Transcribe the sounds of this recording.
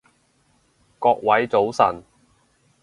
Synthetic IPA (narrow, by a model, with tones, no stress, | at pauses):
kɔː˧k̚wɐ˨˥jt͡so˨˥wsɐ̰˨˩n